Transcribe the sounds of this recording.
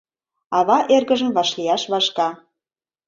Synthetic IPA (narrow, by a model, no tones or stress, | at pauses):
ɑβɑʔerɣəʒə̆mβɑʃlijɑʃβɑʃkɑ